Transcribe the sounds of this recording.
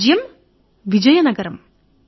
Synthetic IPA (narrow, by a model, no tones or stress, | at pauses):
d͡ʑjɐm | ʋid͡ʑɐjɐnɐɡɐɾɐm